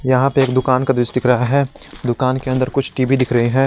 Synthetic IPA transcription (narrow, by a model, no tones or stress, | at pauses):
jɐɦãpeeːkd̪ʊkaːnkad̪ɾɪsd̪ɪkʰɾɐɦaɦɛːd̪ʊkaːnkeɐ̃nd̪əɾkʊt͡ʃʰʈiːbid̪ɪkʰɾɐɦiɦɛ̃ː